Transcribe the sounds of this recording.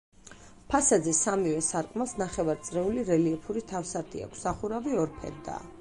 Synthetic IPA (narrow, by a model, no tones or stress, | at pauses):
pʰasad̪zɛsamivɛsaɾkʼmalˠsnaχɛvaɾt̪sʼɾɛuliɾɛliɛpʰuɾit̪ʰafsaɾt̪ʰḭa̰kʷʰsaχuɾaviɔɾpʰɛ̰nd̪a̰ː